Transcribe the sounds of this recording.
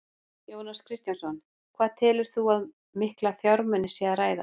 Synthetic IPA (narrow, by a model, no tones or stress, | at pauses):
joːwnaskʰɾɪst̪jansɔn | kʰv̥aːðt̪ʰɛːlʏɾ̥θuað | mɪhklafjaɾmɛnːɪsjɛaɾaːjða̰